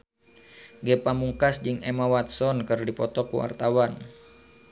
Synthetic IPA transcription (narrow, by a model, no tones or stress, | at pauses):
ɡɛpamuŋkasd͡ʒɨŋɛmawat̪̚sɔnkɨrdipɔt̪ɔkṵa̰rt̪awan